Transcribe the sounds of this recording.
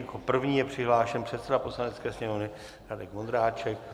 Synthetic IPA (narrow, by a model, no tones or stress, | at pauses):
kopr̩vɲiːjɛpr̝̥ɪɦlaːʃɛnpr̝̥ɛt̪sɛdapo̞slanɛtt͡skɛːsɲɛmovnɪ | ɾadɛkmond̪ɾaːt͡ʃɛk̚